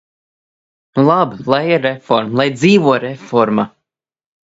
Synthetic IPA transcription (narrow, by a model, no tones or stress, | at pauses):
nlˠablˠajiɾːefɔɾmlˠajd̪ziːvuɔɾefɔɾma